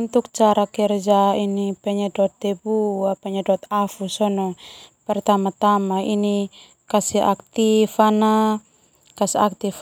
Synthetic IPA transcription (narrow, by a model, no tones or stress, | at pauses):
nt̪uk̚t͡ʃaɾakɛrd͡ʒainipɛɲɛdɔt̪ːɛbuapɛɲadɔt̪afusɔnɔpɛrt̪amat̪amaini | kasiɦa̰k̚t̪ifana | kasiak̚t̪if